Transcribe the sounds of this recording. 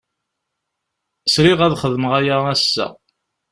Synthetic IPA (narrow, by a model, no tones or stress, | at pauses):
sɾiʁæðχəðməʁæjaæsːæ̰